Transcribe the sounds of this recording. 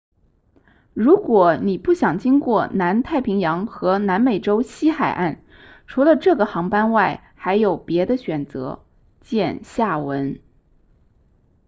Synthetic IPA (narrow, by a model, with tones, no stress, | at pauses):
ɻu˧˥kwɔ˨˧˩ni˨˩pu˥˩ɕjɑ˨˩ŋt͡ɕi˥ŋkwɔ˥˩na˧˥nt̪ʰa˥˩ɪpʰi˧˥ŋjɑ˧˥ŋxɤ˧˥na˧˥nme˨˩ɪʈ͡ʂo˥ʊɕi˥xa˨˩ɪʔa˥˩n | ʈ͡ʂʰu˧˥lə˧ʈ͡ʂɤ˥˩ɡə˩xɑ˧˥ŋpa˥nwa˥˩ɪ | xa˧˥ɪjo˨˩ʊpjɛ˧˥d̪ə˧ɕɥɛ˨˩nt͡sɤ̰˧˥ | t͡ɕjɛ˥˧nɕja˥˩wə˧˥n